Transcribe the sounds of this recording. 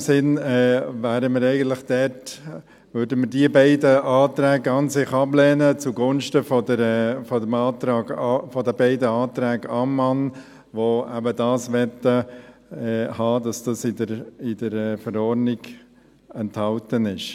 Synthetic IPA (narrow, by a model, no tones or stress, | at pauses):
sɪnɛːvæːɾəməɾɛɪɡən̩t̪lɪχd̥ɛt | ʋʏːɾdəmədiəbɛɪdəɑːtɾæːɡɑnsɪχɑblɛːnət͡suɡʊnʃtəfɔdəɾɛfɔdəmɑːtɾɑːɡɑfɔdəbɛɪdəɑːt̪ɾæːɡəɑmːɑn | ʋoæbədɑːsʋɛtə | ɛhɑːdɑsd̥ɑsɪdəɾɪdəɾɛːfəɾɔɾnɪɡ̥ | ɛnthɑltənɪʃ